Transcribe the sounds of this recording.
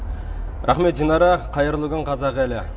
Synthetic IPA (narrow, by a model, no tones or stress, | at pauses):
ɾʔɑχme̞t̪ʒinɑɾɑqʰɑjəɾlˠuɡʲəɴqʰɑzɑʁælɪ